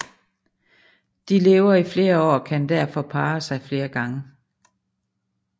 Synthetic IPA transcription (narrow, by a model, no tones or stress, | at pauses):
d̥ile̝ːʊɐifle̝ːɐɒ̰ːkʰænd̥æɐ̰fɒ̽pʰɑ̈ːsɑ̈ɪfle̝ːɐɡ̥ɑ̈ŋə